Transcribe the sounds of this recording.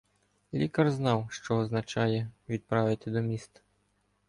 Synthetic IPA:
lʲikɐrznɑwʃt͡ʃɔɔznɐt͡ʃɑjɛʋʲid̪̚pɾɑʋɪt̪ɪd̪ɔmʲist̪ɐ̥

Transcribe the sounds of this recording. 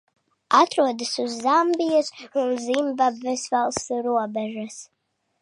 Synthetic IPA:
at̪ɾuɔd̪asuzːambʲijasunzimbabvɛsvalˠst̪uɾuɔbɛʒas

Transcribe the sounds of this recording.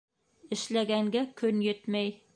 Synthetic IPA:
ɘ̆ʃlæɡæŋɡækʰɵnjɵt̪mæj

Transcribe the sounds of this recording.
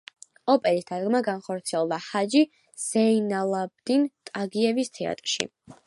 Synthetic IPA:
ɔpʼɛɾisd̪ʰad̪ɡmaɡanχɔɾt̪sʰiɛlˠd̪ahad͡ʒi | z̥ɛinalˠab̚d̪int̪ʼaɡiɛvist̪ʰɛa̰t̪ʼɾʃḭ

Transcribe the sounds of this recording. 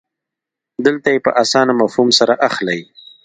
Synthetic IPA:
d̪əlt̪ajepə̰ʔasɑnamafhumsaɾaʔaxlaj

